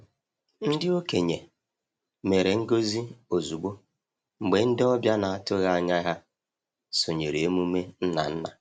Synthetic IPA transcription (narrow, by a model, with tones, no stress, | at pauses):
n̩˦dɪ˦o˦ke˨ɲe˨ | me˨ɾe˨ŋ̩˦ɡo˦zi˦o˨zu˨ɡ͡bo˦ | ŋ͡m̩˨ɡ͡be˨n̩˦dɪ˦ɔ˦bja˦na˨a˨tʊ˦ɣa˦a˨ɲa˦ɣa˦ | sʊ˨ɲe˨ɾe˨e˦mu˦me˦n̩˦na̰˨n̩˦na˨